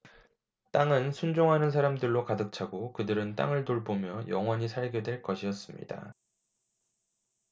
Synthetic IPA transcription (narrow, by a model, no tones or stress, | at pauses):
t͈aŋɯnsʰund͡ʑoŋɦanɯns̬ʰaɾamdɯɭːokadɯk̚t͡ɕʰaɡokɯdɯɾɯnt͈a̰ŋɯɭtoɭbomjʌjʌ̰ŋɦwʌɲisʰaɭɡedwe̞ɭk͈ʌɕʰiʌs͈ɯmɲḭda̰